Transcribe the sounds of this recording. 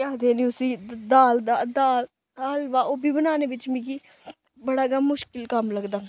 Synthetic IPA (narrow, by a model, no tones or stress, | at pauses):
aːd̪eːnĩːʊsiːd̪aːld̪aːd̪aːl | aːlʋaːoːbʱiːbənaːneːʋɪt͡ʃmĩːki | bəɽaːɡaːmʊʃkɪlkəmləɡd̪aː